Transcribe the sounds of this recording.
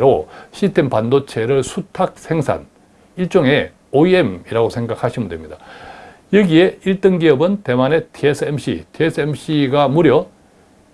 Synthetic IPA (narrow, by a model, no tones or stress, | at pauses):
ɾoɕʰistʰe̞mpandot͡ɕʰe̞ɾɯɭsʰutʰak̚sʰe̞ŋsʰa̰n | iɭt͡ɕ͈oŋe̞ | oiemiɾaɡosʰe̞ŋɡakʰaɕʰimɯndwe̞mɲida | jʌɡie̞iɭt͈ɯŋɡiʌbɯnte̞mane̞tʰiesʰɯemɕ͈ḭtʰiesʰɯemɕ͈iɡamuɾjʌ